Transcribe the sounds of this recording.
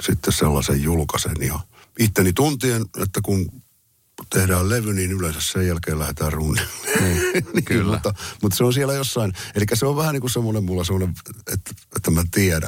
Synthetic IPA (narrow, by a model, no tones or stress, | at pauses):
sit̪ːesselːɑ̰sḛjjulkɑsḛnjɑ̰ | it̪ːenit̪unt̪ienḛt̪ːækun | t̪ehdæːlleʋyninylensæssejjælkeːlæhet̪æːrrunːemːe̥nːnikːmut̪ːɑmut̪ːseonsiælæjosːɑinelikːæseoʋʋæhæniːŋkussemːonemmulːɑsemːˑoneʋḛt̪ːet̪ːæmæt̪iæɾæ̰